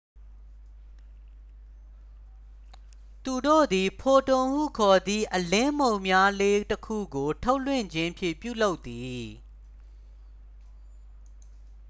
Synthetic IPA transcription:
t̪u˨do̰˦˨d̪i˨pʰo˨tõ˨m̥ṵ˦˨kʰɔ˨d̪ði˦˨ʔəlɪ̃˦mõ˨ʊ̃mja˦le˦təkʰṵ˦˨ɡo˨tʰo˦ʊʔlwɪ̰̃˦˨ɲd͡ʑɪ̃˦mpʰjɪ̰̃˦˨pjṵ˦˨lo˦ʊt̪ːi˨

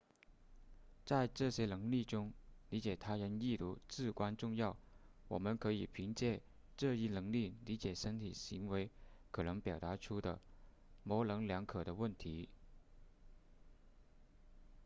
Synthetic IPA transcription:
t͡sa˥˧ɪʈ͡ʂɤ˥˩ɕjɛ˥nɤ˧˥ŋli˥˩ʈ͡ʂʊ˥ŋli˧˥t͡ɕjɛ˨˩t̪ʰa˥ɻə˧˥ni˥˧t̪ṵ˥˩t͡sɹ̩˥˩kwa˥nʈ͡ʂʊ˥˧ŋjɑ˥˩ʊ | wɔ̰˨˩mə˦nkʰɤ˧˥i˨˩pʰi˧˥ŋt͡ɕjɛ˥˩ | ʈ͡ʂɤ˥˧i˥˩nɤ˧˥ŋli˥˩li˧˥t͡ɕjɛ˨˩ʂə˥nt̪ʰi˨˩ɕi˧˥ŋwe˧˥ɪkʰɤ˨˩nɤ˧˥ŋpjɑ˨˩ʊt̪a˧˥ʈ͡ʂʰu˥d̪ə̰˨ | mɔ˧˥lɤ˧˥ŋljɑ˧˥ŋkʰɤ˨˩ɾə˦wə˥˩nt̪ʰi˧˥

